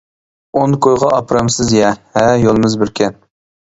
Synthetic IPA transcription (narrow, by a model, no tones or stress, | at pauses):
onkʰojʁɑʔɑpɾɑmsɨzjɛhɛjolˠɨmɨzbɪɾkʲʰɛn